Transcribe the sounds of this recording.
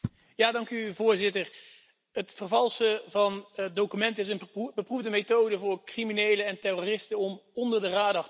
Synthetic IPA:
jaːdɑŋkyvʊːɹzɪtər | ətfərvɑlˠsəvɑnət̚dowkymɛntɪsənbəpruvdəmetowdəvʊːɹkriminejləɛntɛrorɪstənɔmɔndəɹdəraːdɑχ

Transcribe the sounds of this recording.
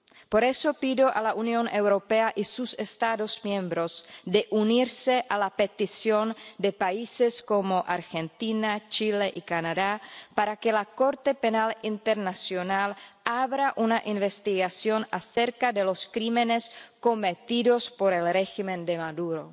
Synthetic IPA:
po̞ɾe̞so̞piðo̞ʔalaʔunjo̞newɾo̞peaʔisusest̪aðo̞zmjẽmbɾo̞sd̪eʔuniɾse̞ʔalape̞t̪isjo̞nd̪e̞paisesko̞mo̞ʔaɾxe̞nt̪inat͡ʃile̞ʔikanaðapaɾakelako̞ɾt̪e̞penalint̪eɾnasjo̞nalaβɾaʔunaʔinβest̪iɣasjo̞naθeɾkaðelo̞skɾimenesko̞met̪iðo̞spo̞ɾelreximend̪emaðuɾo̞̰

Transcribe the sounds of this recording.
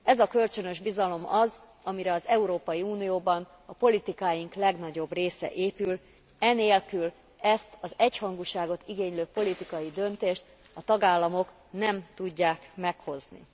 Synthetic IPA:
ɛzɒkø̞lt͡ʃø̞nøʒbizɒlo̞mɒz | ɒmiɾɛɒzɛuɾoːpɒjiuːnijoːbɒn | ɒpo̞lit̪ikaːjiŋklɛɡnɒɟo̞breːsɛ̰ʔeːpyl | ɛneːlkyl | ɛst̪ɒzɛchɒŋɡuʃaːɡo̞t̪iɡeːɲløːpo̞lit̪ikɒjid̪ø̞nt̪eːʃt̪ | ɒt̪ɒɡaːlːɒmo̞k | nɛmt̪uɟːaːkmɛkho̞znḭ

